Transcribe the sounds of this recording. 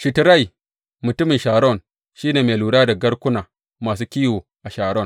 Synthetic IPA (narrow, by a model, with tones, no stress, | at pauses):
ʃɪ˨tɾa˦˨j | mʊ˨tʊ˦mɪ˨nʃaː˨ɽɔ˦˨n | ʃiː˦neː˨meː˨luː˨ɽaː˦da˨ɡɐ˦ɽkʷʊ˦naː˨ | maː˨s̬uː˦kʲiː˦woː˨ʔa˨ʃaː˨ɽɔ˦˨n